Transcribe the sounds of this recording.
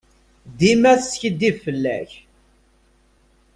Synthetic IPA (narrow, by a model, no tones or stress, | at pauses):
d̪imæθsçəd̪ivfəlːæ̰ç